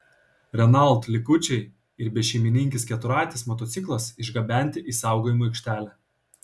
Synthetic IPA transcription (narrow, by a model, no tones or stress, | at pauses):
ɾʲɛnɐlˠˑt̪lʲɪkʊt͡ʃʲɛɪ | ɪɾbʲɛʃʲɛɪmʲɪnʲɪŋʲkʲɪskʲɛt̪ʊɾɑːt̪ʲɪsmɔt̪ɔt̪sʲɪklˠɐsɪʒɡɐbʲæˑnʲt̪ʲɪʔiːsɑˑʊɡoːjɪmoɐɪkʃʲt̪ʲæːlʲæ